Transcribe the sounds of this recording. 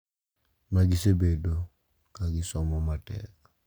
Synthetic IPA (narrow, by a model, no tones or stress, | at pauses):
maɡɪsebedo | kaɡɪsɔmɔmatɛ̰ka